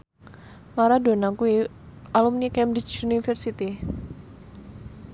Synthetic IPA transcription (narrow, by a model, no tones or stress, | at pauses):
maɾado̤nakui | ʔalumnikɛmbɾit͡ʃunifɛrsit̪i